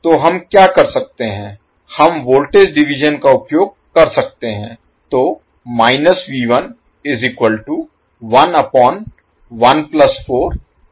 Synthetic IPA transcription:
t̪oːɦɐmkjaːkɐɾsɐk̚t̪eɦɛ̃ː | hɐmʋoːlʈed͡ʒɖɪʋɪd͡ʒənkaʊpjoːɡ̚kɐɾsɐk̚t̪eɦɛ̃ː | t̪oː | maːɪnəsʋiːʋən | ɪzikwəlʈu | ʋɐnɐpɔːn | ʋɐnplɐsfʰoːɾ

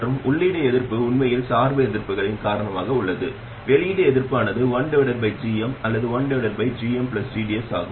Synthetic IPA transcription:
ɾɯmʊɭːɪɽɐɛðɪɾpːɯʊɳmɐjɪlsaːɾʋɐɛðɪɾpːɯɣɐɭɪnkaːɾɐɳɐmaːɣɐʊɭːɐðɯ | ʋɛlɪjɪɽɐɛðɪɾpaːnɐðɯʋɐɳɖɯʋɪɽɐɾbɐɪd͡ʒiːɛmɐlːɐðɯʋɐɳɖɐʋɪɽɐɾbɐɪd͡ʒiːɛmpɭɐsd͡ʒiːɖɪɛsa̰ːɣɯ

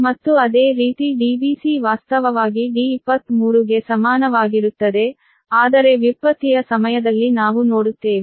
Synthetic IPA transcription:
mɐt̪ːuɐd̪e̞ːɾiːt̪iɖiːbiːsiʋaːst̪ɐʋɐʋaːɡiɖiːpːɐt̪muːɾuɡe̞sɐmaːnɐʋaːɡiɾut̪ːɐd̪e̞ | aːd̪ɐɾe̞ʋipːɐt̪ijɐsɐmɐjɐd̪ɐlːinaːʋuno̞ːɽut̪ːe̞ːʋi

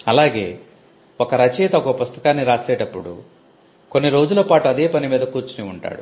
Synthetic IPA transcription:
ɐlaːɡe̞ː | okɐɾɐt͡ʃɛːt̪ɐɔkɐpust̪ɐkaːnːiɾaːsɛːʈɐpːuɽṵ | konːiɾo̞ːd͡ʒulɐpaːʈuɐd̪eːpɐnimiːd̪ɐkuːɾt͡ʃuniuɳʈa̰ːɽu

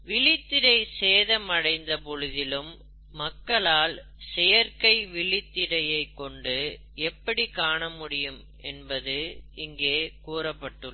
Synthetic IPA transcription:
ʋɪɭɪt̪ːɪɾɐɪseːðɐmɐɽɐɪnd̪ɐpɔɻɯðɪlɯmː | ɐkːɐɭaːl | sɛjɐɾkɐɪʋɪɭɪt̪ːɪɾɐjɐɪkːɔɳɖɯ | ɛpːɐɽikaːɳɐmʊɽɪjɯm | ɛnbɐðɯɪŋɡeːkuːrɐpːɐʈːɯ

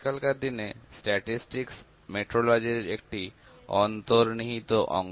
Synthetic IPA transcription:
kalkaɾd̪inesʈɛʈisʈiks | meʈɾolɔd͡ʑeɾek̚ʈi | ɔnt̪oɾniɦit̪oʔɔ̰ŋ

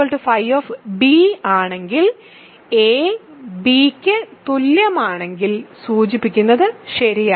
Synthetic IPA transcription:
oːɭʈufɐjʋoːfbiːaːɳe̞ŋɡil | eːbiːkʲːɨt̪ulːjɐmaːɳe̞ŋɡilsuːt͡ɕipːikʲːunːɐðɨɕɐɾijaː

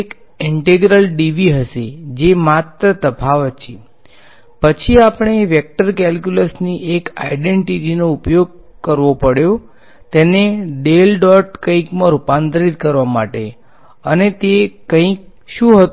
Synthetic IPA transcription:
ek | ɪɳʈeɡɾəlɖiʋiɦəʃed͡ʒemat̪ɾət̪əpʰaʋət͡ʃʰe | pət͡ʃʰiapɳ̃eʋjək̚ʈəɾkɛlkjuləsniʔeka̰iɖeɳʈiʈinoupjoɡ̚ | kəɾʋopəɽjo | t̪eneɖelɖɔʈkə̃ĩkmãɾupãnt̪ɾit̪̚kəɾʋamaʈe | ənet̪ekːə̃ĩk̚ | ʃũɦət̪

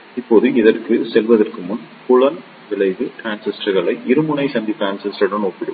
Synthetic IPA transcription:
ɪpːoːðɯɪðɐrkɯsɛlʋɐðɐrkɯmʊnpʊɻɐn | ʋɪɭɐɪʋɯʈɾaːnsɪsʈɐɣɐɭɐɪʔɪɾɯmɯɳɐɪsɐnd̪ipɾaːnsɪsʈɾɐɽɐnoːpːɪɽɯ̰m

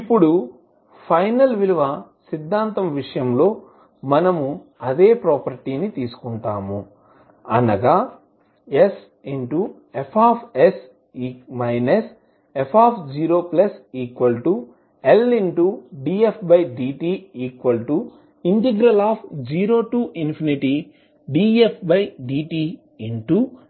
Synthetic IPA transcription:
ipːuɽu | pʰɐjnɐlʋiluʋɐsid̪ʱːaːnt̪ɐmʋiʂɐjɐmlo̞ː | mɐnɐmuɐd̪e̞ːpɾɔːpɐɾʈiːnit̪iːsu̥kuɳʈa̰ːmu | ɐnɐɡaː | es | iɳʈu | epʰaːpʰes | iːmɐjnes | epʰaːpʰd͡ʒiːɾoːplɐsiːkʋɐlʈu | eliɳʈuɖiːepʰbɐjɖiːʈiːiːkʋɐlʈu | iɳʈeɡɾɐlaːpʰd͡ʒiːɾoːʈuːʔinpʰiniʈi | ɖiːepʰbɐjɖiːʈiː | iɳʈu

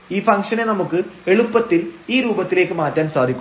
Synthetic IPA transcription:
iːfɐŋkʂɐne̞nɐmukːɨe̞ɭupːɐt̪ːiliːɾuːbɐt̪ːile̞ːkːɨmaːtːaːnsaːd̪ʱikʲː

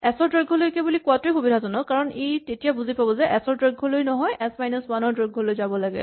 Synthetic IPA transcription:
ɛsɔɹdɹəɡʱɔlojkebulikwatejkubidʱazɔnɔkaɹɔnetetijabuzipabɔzɛʔɛsɔɹdɹəɡʱolojnɔɦɔjʔɛsmajnɔsmanɔɹdɹəɡʱolojzabɔlaɡɛ̰

